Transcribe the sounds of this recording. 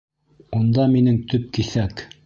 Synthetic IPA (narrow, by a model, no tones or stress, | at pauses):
und̪ɑminɘŋt̪ɵp̚kiθæk